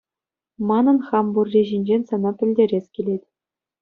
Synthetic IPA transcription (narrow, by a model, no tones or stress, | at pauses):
mɑnɤ̆nχɑmburʲːiʑinʲd͡ʑenʲsɑnɑpʲɘ̆lʲdʲeɾʲesʲkʲilʲetʲ